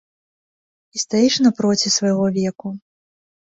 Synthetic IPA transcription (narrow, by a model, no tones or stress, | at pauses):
ist̪ajiʂnɐpɾɔt͡sʲisvɐjɣɔvʲɛku